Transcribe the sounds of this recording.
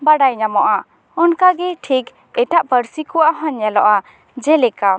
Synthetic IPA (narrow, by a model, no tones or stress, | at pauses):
baɖajɲamɔʔa | ɔnkaɡɛʈʰik | ɛʈaʔpəɾsikɔwaʔɦɔɲːɛlɔʔa | d͡ʒɛlɛka